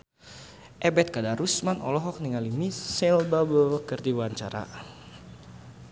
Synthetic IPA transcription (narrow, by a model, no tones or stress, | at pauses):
ʔɛbɛt̪̚kadaɾusmanʔɔ̰lɔɦɔk̚niŋalimisɛlbabɔkərdiwaɲt͡ʃaɾa̰